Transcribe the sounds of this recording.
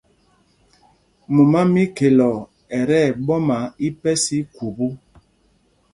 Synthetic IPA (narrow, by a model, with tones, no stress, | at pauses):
mu˨ma˦mi˦ke˨lɔ˨ | ɛ˨ɾɛ˦˨ɓɔ˦ma˨˦i˦pɛ˦si˦ku˨bu˦